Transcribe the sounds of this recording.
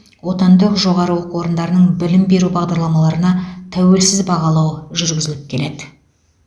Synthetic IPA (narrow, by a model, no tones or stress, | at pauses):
wo̞t̪ɑnd̪əqʒo̞ʁɑɾəwoquwo̞ɾənd̪ɑɾənəɴbɪlɪmbe̞ɾubɑʁd̪ɑɾlˠɑmɑlˠɑɾənɑt̪ʰæwe̞lsɪzbɑʁɑlˠɑwʒʏɾɡʲɪzɪlɪp̚kʲʰe̞le̞d̪ɪ